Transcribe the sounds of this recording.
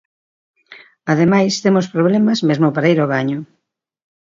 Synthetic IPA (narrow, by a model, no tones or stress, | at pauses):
aðemajst̪emospɾoβ̞lemɐzmezmʊpaɾaiɾoβ̞aɲʊ